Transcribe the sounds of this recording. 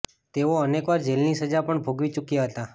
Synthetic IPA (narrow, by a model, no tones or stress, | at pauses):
t̪eoənekʋaɾd͡ʒelnisəd͡ʒapəɳbʱoɡʋit͡ʃukjaɦət̪a